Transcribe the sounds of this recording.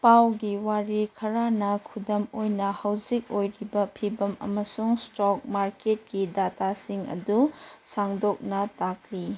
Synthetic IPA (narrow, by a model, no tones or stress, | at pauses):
pawɡiwaɾikʰɐɾanɐkʰudɐmojnɐhɐwzik̚ojɾibɐpʰibɐmɐ̰mɐsuŋstɔk̚maɾket̚ɡidatasiŋɐ̰dusaŋdok̚nɐtak̚li